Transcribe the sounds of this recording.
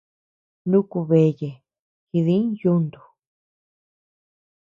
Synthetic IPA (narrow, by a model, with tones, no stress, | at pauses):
nũ˦ku˧βe˧˨je˨ | hi˧ðĩ˦ju˦nd̪u̥˨